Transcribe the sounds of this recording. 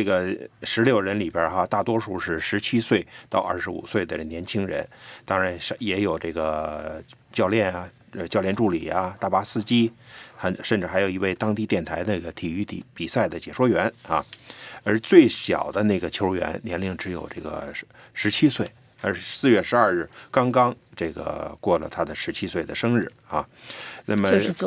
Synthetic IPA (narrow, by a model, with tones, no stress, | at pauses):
ʈ͡ʂe˥˩ɡə˩ʂɻ̩˧˥ljo˥˩ʊɻə˧˥nli˨˩bjə˞˥xa˧t̪a˥˩t̪wɔ˥ʂu˥˧ʂɻ̩˥˩ʂɻ̩˧˥t͡ɕʰi˥swe˥˧ɪt̪ɑ˥˧ʊʔɐ̰˥˧˩ʂɻ̩˧˥ṵ˨˩swe˥˩ɪd̪ə˨˩njɛ˧˥nt͡ɕʰi˥ŋɻə̰˧˥nt̪ɑ˥ŋɻa˧˥nʂjɛ˧˥jo˨˩ʊʈ͡ʂe˥˩ɡə˩ | t͡ɕjɑ˥˧ʊljɛ˥˩nɐ˩ | ə˧t͡ɕjɑ˥˧ljɛ˥˧nʈ͡ʂu˥˩lḭ˨˩ɐ˦t̪a˥˩pa˥sɹ̩˥˧t͡ɕi˥xə˧˥nʂə˥˧nʈ͡ʂɻ̩˥˩xa˧˥ɪjo˨˩ʊi˧˥we˥˩ɪt̪ɑ˥ŋt̪i˥˧t̪jɛ˥˩nt̪ʰa˧˥ɪd̪ne˥˧˩ɡə˩t̪ʰi˨˩y˥˩t̪ḭ˨˩pi˨˩sa˥˩ɪd̪ə˩t͡ɕjɛ˨˩ʂwɔ˥ɥɛ˧˥na˥˧ə˞˧˥t͡swe˥˩ɪɕjɑ̰˨˩ʊd̪ə˦ne˥˩ɡə˩t͡ɕʰo˧˥ʊɥɛ̰˧˥nljɛ˧˥nli˧˩ŋʈ͡ʂɻ̩˧˥jo̰˨˩ʊʈ͡ʂɤ˥˩ɡə̰˩ | ʂɻ̩˧˥t͡ɕʰi˥swe˥˩ɪ | ə̰˧˥sɹ̩˥˧ɥɛ˥˩ʂɻ̩˧˥ɐ˞˥˧ɻɻ̩˥˩kɑ˥ŋkɑ˥ŋʈ͡ʂe˥˩ɡə̰˩kwɔ˥˩lə̰˩t̪ʰa˥d̪ə˨ʂɻ̩˧˥t͡ɕʰi˥swe˥˩ɪd̪ə˩ʂɤ˥ŋɻɻ̩˥˩a̰˧˩na˥˩mə˨˥˧